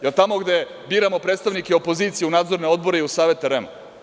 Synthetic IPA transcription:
elt̪amo̞ɡd̪e | biːɾamo̞pɾeːt̪st̪aʋnikeopo̞ziːt̪sijunaːd̪zo̞ɾne̞o̞d̪bo̞ɾe̞iusaːʋe̞t̪aɾema

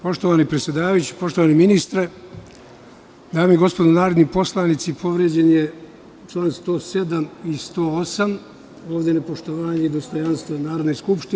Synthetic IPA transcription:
po̞ʃt̪oʋaːnipɾet̪sʲjed̪aːʋajut͡ɕe̥po̞ʃt̪oaːniminist̪ɾe | d̪aːmiɡo̞spod̪onaːɾod̪nipo̞slˠaːnit̪sipʰo̞ʋɾed͡ʑenje | t͡ʃlˠaːnst̪o̞ːse̞d̪amist̪oːosam | o̞ːʋd̪enepo̞ʃt̪oʋaːɲeid̪o̞st̪o̞janst̪ʋanaːɾo̞d̪nejskupʃt̪i

